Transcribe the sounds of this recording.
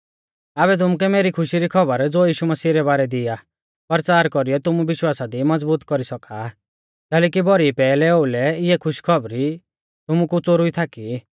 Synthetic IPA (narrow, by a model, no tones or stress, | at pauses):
aβɛt̪̬ʊmuk̬ɛmeːɾikʰʊʃiɾikʰɔbəɾd͡zoːjiːʃumɐsiːɾɛbaːɾɛd̪ɪa | pɐɾt͡saːɾkɔɾijɔt̪ʊmubɪʃwaːsad̪imɐd͡zbuːt̪kɔɾisɔka | kɛːlɛːkibɔɾipɛːlɛoulɛɪɛkʰʊʃkʰɔbɾi | t̪ʊmukut͡soɾʊit̪ʰaki